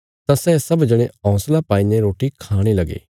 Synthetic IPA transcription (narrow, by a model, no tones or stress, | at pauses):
t̪ãsɛːsɐbd͡ʒəɽ̃ẽɔ̃ːslapaːineɾoːʈikʰaːɽ̃elɐɡḛː